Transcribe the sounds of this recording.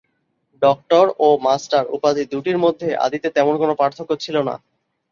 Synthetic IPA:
ɖɔk̚ʈoɾomasʈaɾṵpad̪id̪uʈiɾmod̪ʱːeʔa̰d̪it̪et̪ɛmonkonopɾaɾt̪ʰokːot͡ɕʰilona̰

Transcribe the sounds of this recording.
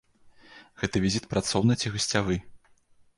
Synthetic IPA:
ɣɛt̪ɐvʲizʲit̪pɾat̪sɔwnɐt͡sʲiɣɨsʲt͡sʲavɨ

